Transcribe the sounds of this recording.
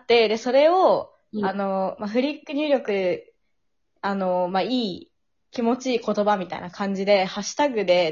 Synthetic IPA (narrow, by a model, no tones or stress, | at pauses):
t̪ːe̞d̪e̞so̞ɾe̞o̞ | ano̞maɸɯ̟ɾʲikːɯ̟ɲ̟ʲɨːɾʲo̞kɯ̟ | ano̞maiː | kʲimo̞t͡ɕiːko̞t̪o̞bamʲit̪a̰ḭnakʰãɲ̟d͡ʑid̪e̞haɕi̥t̪aɡɯ̟d̪e̞